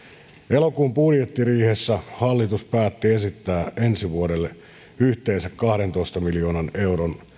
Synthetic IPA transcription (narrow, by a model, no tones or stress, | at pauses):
elokuːmpudjet̪ːiriːhesːæhɑlːit̪uspæːt̪ːie̞sit̪ːæːensiʋuodelːe | yht̪eːnsækkɑhdent̪oist̪ɑmiljo̞ːnɑne̞uɾon